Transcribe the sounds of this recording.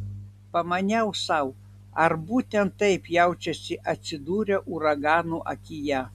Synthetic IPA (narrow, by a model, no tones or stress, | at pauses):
pɐmɐnʲɛʊsɐʊ | ɐɾbuːt̪ʲɛnt̪ːɐɪpjɛʊt͡ʃʲɛsʲɪʔɐt̪ʲsʲɪd̪uːɾʲɛʔʊɾɐɡɑːnuʔɐ̰kʲɪjɛ